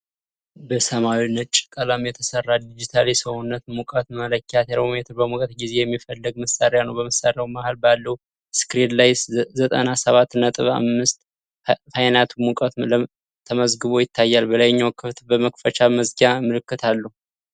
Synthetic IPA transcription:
bəsəmawinːət̪t͡ʃʼɪkʼəlamjɛt̪ʰəsərːad̪id͡ʒit̪ʰalisəwunːət̪mukʼət̪mələkːat̪ʰeɾojɛt̪ʰɨbəmukʼət̪ɡize̞jɛmːifəlːəɡ̚məsaɾejanəwbəməsaɾɪjawmahalbalːəhu | skɾid̪lajzət̪ʼə̰nasəβat̪ːnət̪ʼɨβa̰mːɨst̪ | fajnat̪ʰumukʼət̪lə | t̪ʰːəməzɡɨβo̞jɪt̪ʰːajːalbəlajɲːawkʰɨft̪bəməkfət͡ʃaməzɡamɨlɨkːɨt̪ʰalːəhu

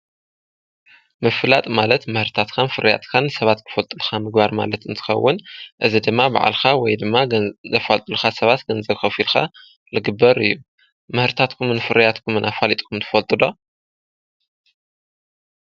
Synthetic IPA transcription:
mɨfɨlat̪ʼmalɐt̪mɨhɾɨt̪ʰat̪kʰanfɨɾja̰t̪kʰanɨsɐβat̪kʰɨ̥fɐlt̪ʼɨlxamɨɡbaɾma̰lɐt̪ɨnt̪ʰɨ̥xɐ̰wːʊnʔɨzid̪ɨmːaba̰ʕa̰lxawɔjd̪ɨmːazɐfalt̪ʼɨluxasɐβat̪ɡɐnzɐxɐfilxa̰ | lɨɡɨbːɐɾɨjːu | mɨhɾɨt̪ʰat̪kʰumɨnfɨɾjat̪kʰumɨnʔafalit̪ʼkʰumt̪ʰɨ̥fɐlt̪ʼɨd̪o

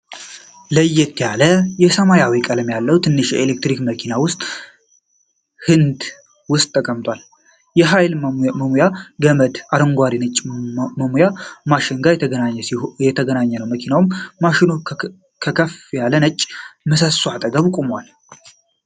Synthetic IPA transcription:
ləjːɛt̪ʰːjaləjɛsəmajawikʼələmjalːəwt̪ʰɨnːɨʃjɛ̰elek̚t̪ɾikməkʰinawʊst̪ʼ | hɨnd̪ | wʊst̪ʼːəkʼəmt̪ʼwal | jɛɦajlməmujaɡəməd̪aɾəŋɡʷaɾinət͡ʃʼːməmujamaʃɪŋɡajɛnaɲːɛjɛt̪ʰəɡənaɲːənəwməkʰinawmːaʃɪno | kʰəkʰəfjalənət͡ʃʼːməsəsuat̪ʼəɡəβkʼumwal

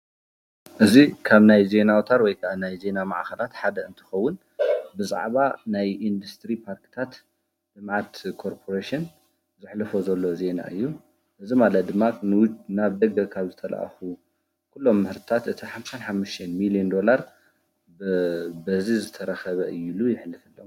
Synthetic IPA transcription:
ʔɨzikʰaβnajze̞nawt̪ʰaɾwɔjkʰɐʔanajze̞nama̰ʕxɐlat̪ħad̪ɐɨnt̪ʰɨ̥xɐwːʊn | bɨzʼa̰ʕβanajʔind̪ust̪ɾipʰaɾkɨ̥t̪ʰat̪ | d̪̥ɨmʕat̪kʰo̞ɾpʰo̞ɾeʃin | zɨħlɐfozɐlːo̞ze̞na̰ʔɨjːu | ʔɨzimalɐt̪̚d̪ɨmːanwd͡ʒnaβd̪ɐɡɐkʰaβzɨt̪ʰɐla̰ʔxu | kʰulːo̞mːɨhɨɾt̪ɨt̪ʰat̪ɨt̪ʰiħamsanħamːuʃt̪ʰɐnmiliond̪o̞laɾ | bɐzizɨt̪ʰɐɾɐxɐβɐʔɨjːulujɪħlːɨfɨlːɐ

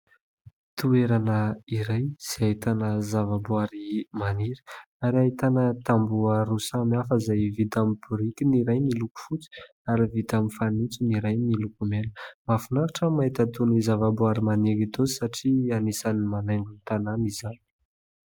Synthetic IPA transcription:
t̪ueɾanəiɾajz̥iait̪anəzavabuaɾimaniɾi̥ | aɾiait̪anət̪ambuəɾusamiafəzajvit̪amibuɾikiniɾajniluku̥fut͡si̥ | aɾivit̪amifanit͡siniɾajnilukumelə̥mafunaɾaʈ͡ʂəmait̪at̪onizavabuaɾimaniɾit̪osaʈ͡ʂianisanimanajŋɡunit̪ananizan

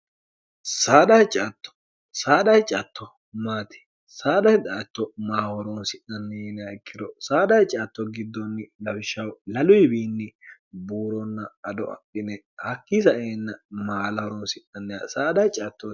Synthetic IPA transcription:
saːd̪ɐjt͡ʃʼɐt̪ːɔ̥ | saːd̪ɐjt͡ʃʼɐt̪ʰːɔ | maːt̪ɪ̥ | saːd̪ɐjd̪ɐʔɐt̪ːɔmaːwɔɾɔnsɪʔɐnːɛjɛnaɪkːɪd̪ɔsaːd̪ɐjt͡ʃʼɐːt̪ːɔɡɪd̪ːɔnːɪlɐwɪʃːɐwlɐlʊjbiːnːɪbuːɾɔnːɐɐd̪ɔ̰ɐ̰ʔɪnɛ | hɐkːis̬ɐʔeːnːɐmaːlɐwɔɾɔnsɪʔɐnːɛasaːd̪ɐjt͡ʃʼɐt̪ːɔ

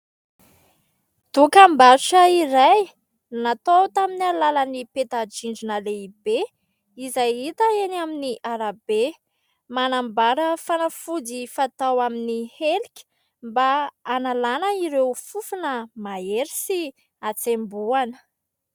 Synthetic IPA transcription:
d̪̥ukambauʈ͡ʂəiɾaj | nat̪owt̪aminialalənipet̪ad͡ʒiɳd͡ʒinəleib̥e | izajit̪əenaminiʔaɾabe | manambaɾəfanafud͡zifat̪awaminihelikʲi̥ | mbaːnalanəiɾewfufunəmaeɾisi | at͡sembuanə̥

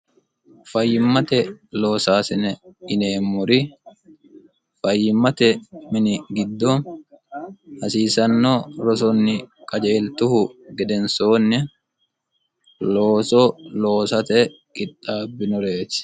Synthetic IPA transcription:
fɐjːɪmːɐt̪ɛlo̞ːsaːsɪnɛɪneːmːʊɾɪ | fɐjːɪmːɐt̪ɛmɪnɪɡɪd̪ːoːn | hɐsiːsɐnːoːɾɔs̬ɔnːɪkʼɐd͡ʒeːlt̪ʊhʊɡɛd̪ɛnsoːnːɛ | loːsoːlo̞ːsɐt̪ɛ | kʼɪt̪ʼːaːbːɪnɔɾe̞ːtɪ̥

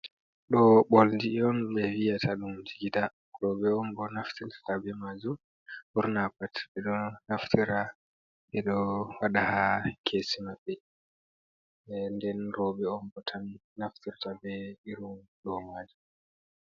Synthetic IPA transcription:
ɗɔɓolndiɔnɓɛvijatʰaɗumd͡ʒiɡida | ɾɔɓɛɔmbɔnaftiɾtḁtabɛmad͡ʒum | buɾnapatbɛɗɔnaftʰiɾa | ɓɛɗɔwaɗahakʰesimabːɛ | ɛndɛnɾɔɓɛɔmbɔtʰanːaftiɾtabɛiɾumɗɔmaːd͡ʒu

